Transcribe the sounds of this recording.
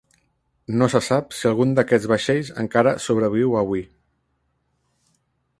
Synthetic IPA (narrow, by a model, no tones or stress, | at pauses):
nosəsapsiəlˠɣund̪əkɛd͡zβaʃɛʎzə̰ŋkaɾəsoβ̞ɾəβ̞iwəβwi